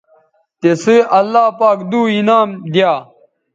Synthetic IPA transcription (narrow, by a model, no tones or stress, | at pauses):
t̪esiʔɐlːaːpaːkd̪uːinaːmd̪jaː